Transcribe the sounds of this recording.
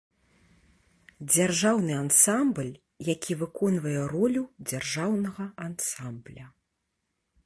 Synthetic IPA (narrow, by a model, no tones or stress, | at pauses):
d͡zʲarʐawnɨansamblʲ | jakʲʰivɨkɔnvɐjɛɾɔlʲud͡zʲarʐawnɐɣɐansamblʲɐ